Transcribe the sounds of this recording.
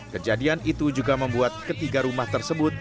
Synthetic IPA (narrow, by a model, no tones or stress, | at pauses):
kəd͡ʒadianit̪ud͡ʒuɡaməmbuat̪̚kət̪iɡaɾumaht̪ərsəbʊt̪̚